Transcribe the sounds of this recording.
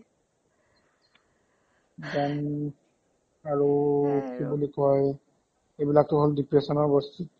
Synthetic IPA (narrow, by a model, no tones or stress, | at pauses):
dɛn | aɹokibulikɔje | ebilak̚t̪oɦoldipɹesɔnɔɹbɔst̪it̪